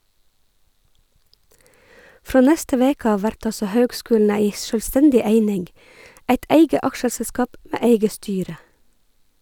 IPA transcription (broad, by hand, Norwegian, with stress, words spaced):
ˈfɾoː ˈnɛstə ˈʋeːk ˈɑːʋ ˈʋæɾʈ ˈɑlsɔ ˈhøːɡˌskʉːln̩ ˈæɪ ˌʃœlˈstɛndɪ ˈeɪnɪŋɡ ˈʔæɪt ˈeɪɡə ˈɑkʃəsɛˌskɑːp ˈmeː ˈeɪɡə ˈstyːɾə